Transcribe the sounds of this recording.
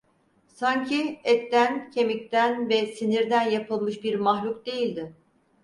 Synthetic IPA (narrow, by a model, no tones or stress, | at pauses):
saɲcʰiɛt̪ːæncʰe̞mic̚t̪ænvɛsiniɾd̪ænjapʰɯlˠmɯʃbiɾmaɦlʲukd̪e̞jilʲd̪ɪ